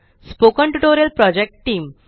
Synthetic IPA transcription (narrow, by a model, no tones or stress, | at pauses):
spokə̃ɳʈuʈoɾjəlpɾɔd͡ʑek̚ʈʈiːm